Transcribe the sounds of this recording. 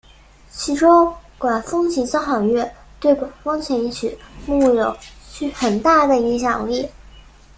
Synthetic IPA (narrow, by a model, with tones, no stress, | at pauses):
t͡ɕʰi˧˥ʈ͡ʂo˥ŋkwa˨˩nfɤ˥ŋt͡ɕʰi˧˥t͡ɕjɑ˥xɑ˨˩ŋɥɛ˥˧ | t̪we˥˩ɪkwa˨˩nfɑ˥ŋt͡ɕʰɛ˧˥ni˧˥˩t͡ɕʰy˨˩˦mu˥˩jo˨˩˦ʊt͡ɕʰy˥xə˨˩nt̪a˥˩d̪ə˩i˧˥ŋɕ̬jɑ˨˩ŋli˥˩